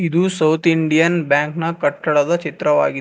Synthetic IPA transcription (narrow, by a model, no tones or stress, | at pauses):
id̪usɐwt̪ʰiɳɖijɐnbjaːŋknɐkɐʈːɐɽɐd̪ɐt͡ʃit̪ɾɐʋa̰ːɡid̪